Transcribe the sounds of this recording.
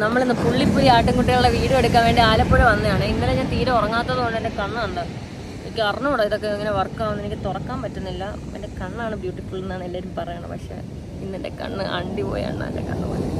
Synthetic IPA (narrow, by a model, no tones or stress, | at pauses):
nɐmːɐɭinːɨpuɭːipːuɾiaːʈːɨŋkuʈːijɐɭuɭːeʋiːɽumeɽukːaːnʋeːɳɖe̞aːlɐpːoɻeʋɐnːeaːɳɨinːɐleɲaːnt̪iːɾɐmurɐŋːaːt̪ːɐðɨkoɳɖɨendekɐɳːaːuɳɖaː | enikʲːɨɐrnɐmuɽaiðokːeiŋːɐne̞ʋɐrkːaːʋunːenikʲːɨt̪urɐkːaːmpɐtːunːilːɐ | ḛndekɐɳːaːɳɨbjuːʈːikːuɭenːaːɳelːaːɾumpɐrɐjaːɳɨ̰pɐ̰kʂḛ | pinːende̞̰kɐ̰ɳːɨ̰ʔɐ̰ɳɖipo̰ːja̰ːɳa̰ndekɐ̰ɳːɨ̰pɐ̰nː